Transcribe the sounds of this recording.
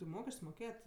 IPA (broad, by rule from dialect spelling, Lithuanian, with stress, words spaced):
tʲɪ ˈmoːkʲɛsʲt͡ʃʲsʲ moːˈkʲeːjɛtʲ